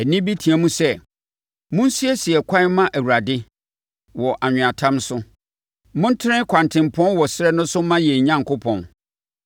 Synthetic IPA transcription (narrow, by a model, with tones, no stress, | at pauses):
æ˨nĩ˦bi˦tʰĩ˨æ˨mũ˦sɛ˦ | mʊ̃˦n˦si˦ɛ˦sɪ˨ɛ˨kʷʰã˦mã˦ʔæ˨wu˨ɾa˨dɪ˦ | wɔ˨ʔa˨ɲᶣɪ̃˨a˨tʰã˦msʊ˦ | mʊ̃˦n̩˦tʰɪ˦ɪ̃˦kʰã˨ntʰɪ̃˨m˨pʰɔ̃˦nwɔ˨sɪ˦ɾɛ˦nʊ̃˦sʊ˦mã˦jɛ˨ɲã˦ŋ˨kʰʊ˦pʰɔ̰̃˨n